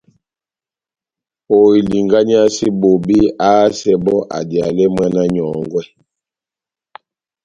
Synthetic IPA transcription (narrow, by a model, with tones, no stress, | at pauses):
o˨i˨li˨ŋɡa˦ɲ˦a˦si˦bo˨bi˦a˦sɛ˦bɔ˦ʔa̰˨dja˨lɛ˦mwa˦na˦ɲɔ˨ŋɡwɛ˦˨